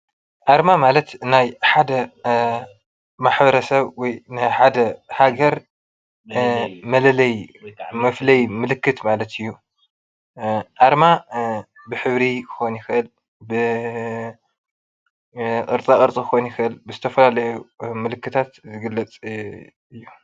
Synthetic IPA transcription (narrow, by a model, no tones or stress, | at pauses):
ʔaɾmamalɐt̪najħad̪ɐ | maħbɐɾɐsɐβwɔjnajħad̪ɐhaɡɐɾ | mɐlɐlɐjmɐflɐjmɨlɨkːɨt̪malɐt̪ʰɨjːu | ʔaɾma | bɨħɨβɾikʰɨ̥xonjɪxɨʔɨl | bɨ | kʼɨɾt͡sʼakʼɨɾt͡sʼikɨxojnjɪxɨʔɨlbɨzɨt̪ʰɐfɐlalɐjumɨlɨkːɨt̪ʰat̪zɨɡɨlːɐt͡sʼ | ɨjːu